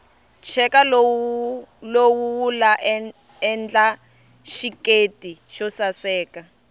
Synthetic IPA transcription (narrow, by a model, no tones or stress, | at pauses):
t͡ʃʰɛkalow | lowuwulaʔ | ɛnd͡ɮa | ʃiketʼiʃɔsasɛːka